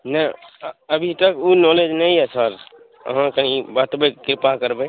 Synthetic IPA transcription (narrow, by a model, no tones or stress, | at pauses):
nəəbʱit̪əkunɔled͡ʒnəĩɦɛsəɾ | ə̰ɦãkəɦibat̪bekɾɪpakəɾbẽ